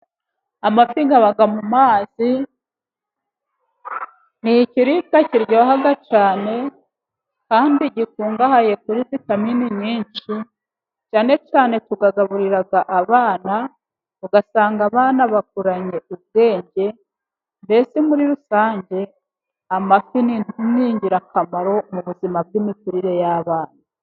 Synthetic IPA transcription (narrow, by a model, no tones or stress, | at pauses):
amafiːŋɡaβaɡamumaːz̥i | niciɾikaciɾɟoɦaɡat͡ʃaːne̞ | kaːndiɟikuːŋɡahaje̞kuɾizitaminiɲiːnt͡ʃi | t͡ʃaːne̞t͡ʃaːne̞tuɡaɡaβuɾiɾaɡaʔaβaːna | βuɡasaːŋɡaβaːnaβak̚uɾaɲe̞ub̚ɡe̞ːɲɟe̞ | nbe̞semuɾiɾusaːɲɟe̞ | amakiniumiːɲɟiɾakamaɾo̞muβuzimab̚ɡiːmikuɾiɾe̞jaːβaːna